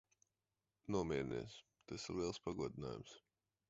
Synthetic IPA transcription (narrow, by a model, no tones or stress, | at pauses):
nuɔmʲiɛɾnḭɛs | t̪asiɾlˠiɛlˠspaɡuɔd̪ina̰ːjṵms